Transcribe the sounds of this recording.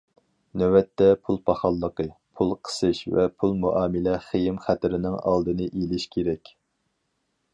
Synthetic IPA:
nøwɛt̪ʰːɛpʰulˠpʰɑχɑlˠːəqəpʰulˠqʰə̥sɨʃvɛ̰pʰulˠmuʔɑːmɪlɛχejɪmχæt̪ɪɾɪnɪŋɑ̰lˠd̪ɨnɨʔelɪʃkʲʰeɾɛkʲ

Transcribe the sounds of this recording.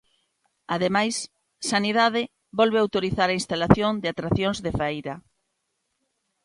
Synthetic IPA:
aðemajs | saniðaðɪ | bɔlβeawt̪oɾiθaɾainst̪alaθjond̪eat̪ɾaθjõŋzðefɛjɾa

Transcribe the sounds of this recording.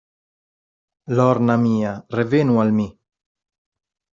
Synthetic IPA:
lɔɾnamiːarevenualmi

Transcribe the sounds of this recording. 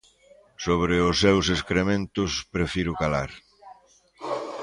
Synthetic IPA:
soβɾɪʊsːewseskɾemẽnt̪ʊspɾefiɾʊkalaɾ

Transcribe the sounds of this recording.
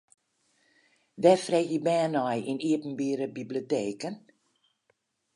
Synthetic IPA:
ʋɛfrexjəbɛːnɔjiniəpn̩biːɾəbiblioteːkən

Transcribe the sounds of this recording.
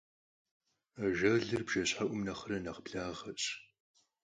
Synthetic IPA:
ʒɐɮɨrbʒ̥ɐɕħaʔʷʊmnɐχɐɾɐnɐʁbɮaːʁɐɕʼ

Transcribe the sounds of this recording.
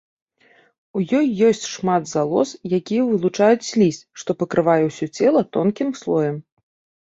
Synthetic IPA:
ujɔjːɔsʲt͡sʲʂmad̪zalˠɔ̰sjakʲijɛvɨlˠut͡ʂajut͡sʲsʲlʲisʲt͡sʲʂt̪ɔpɐkɾɨvajɛwsʲɔt͡sʲɛlˠɐt̪ɔnkʲimslˠɔjɛm

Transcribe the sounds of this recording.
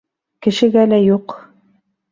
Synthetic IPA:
kɘ̆ʃɘ̆ɡælæjuq

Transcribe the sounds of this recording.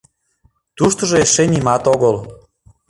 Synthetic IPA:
t̪uʃt̪oʒoeʃenimɑt̪oɣəl

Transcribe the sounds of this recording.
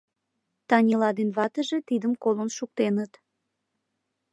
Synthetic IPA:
t̪ɑnʲilɑd̪enβɑt̪əʒet̪id̪əmkolonʃuk̚t̪enət̪

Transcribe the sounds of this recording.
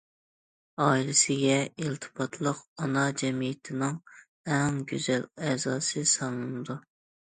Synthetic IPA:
ɑːilɪsɪɡʲɛilt̪ʰɨ̥pʰɑt̪ʰlˠəqɑnɑd͡ʒɛmijɪt̪ʰɪnɪŋ | ɛŋɡʲyzɛlɛzɑːsɨsɑŋɨnɨd̪u

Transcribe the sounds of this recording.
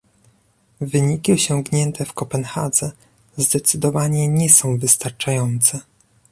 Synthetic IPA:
vɘɲikʲiɔɕɔŋɡɲɛnt̪ʰɛfkɔpɛnxad̪zɛ | zd̪ɛt̪sɘd̪ɔvaɲɛɲɛsɔ̃w̃vɘst̪aɾt͡ʂajɔnt̪sɛ

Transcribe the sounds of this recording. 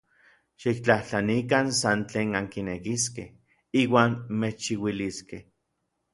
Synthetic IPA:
ʃik̚t͡ɬaht͡ɬanikansant͡ɬeːnaŋkinekiskeh | iːwaːnmet͡ʃːiwiliskeh

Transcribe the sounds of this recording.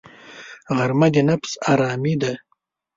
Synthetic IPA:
ɣaɾmad̪inapsaɾɑːmid̪a

